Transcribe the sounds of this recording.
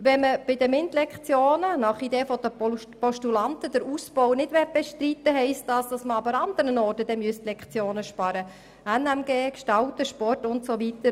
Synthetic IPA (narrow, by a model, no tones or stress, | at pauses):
ʋɛnməb̥ɪdəmɪntlɛkχt͡sjoːnənɑχideːfɔd̥ə | pɔʃtulɑnt̪əd̥əɾusb̥ɔwnɪdʋɛɾt̚b̥eʃtɾit̪ːəɦɛɪst̚dɑːsd̥ɑsməɑbəɾɑnd̪əɾənɔːrtəd̥ɛmyəst̪lɛkχt͡sjoːnəʃpɑɾə | ɛnæmɡeːkʃtɑltəʃpɔrtʊntsoʋit̪əɾ